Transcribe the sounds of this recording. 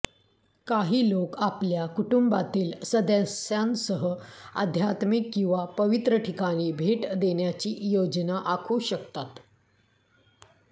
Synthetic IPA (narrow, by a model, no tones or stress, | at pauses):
kaɦiːlokapljakuʈumbat̪iːlsəd̪ãsjãnsəɦəa̰d̪ʱjat̪mikːĩw̃ʋapəʋit̪ɾəʈʰikaɽ̃iːbʱeʈd̪eɳjat͡ɕiːjod͡ʑnaʔakʰuːɕəkt̪at̪